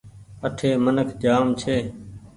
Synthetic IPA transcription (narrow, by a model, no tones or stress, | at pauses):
əʈʰeːmənəkʰd͡ʒaːmt͡ʃʰeː